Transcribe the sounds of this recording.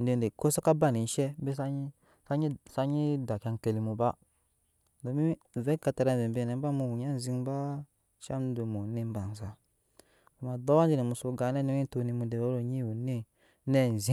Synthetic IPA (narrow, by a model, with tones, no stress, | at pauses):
n̩˨de˨n˨de˨ko˦sa˦ka˦ba˦˨ni˨n˦ʃɛ˦be˦sa˦ɲi˦ | sa˦ɲi˦sa˦ɲi˦da˨ka˧ŋ˨ke˧li˨mu˨ba˦ | do˨˦mi˦˨vɛ˦ka˧ta˧ɾa˧˦˨vɛ˨m˨be˧˨nɛ˨m˦ba˦mu˧˨wu˨ɲa˦n˨zi˧ŋ˦ba˦ | ʃa˦m˦do˨mu˨ni˦m˦ba˨n˨za˨ | ku˨ma˨dɔ˦wa˦n˦d͡ʒi˦ne˨mu˨so˧ɡa˨˦nɛ˦no˦i˦to˧ni˧mu˨de˨wo˦ɾo˨ɲi˦wu˨ni˦ | nɛ˦˨n˨zi˦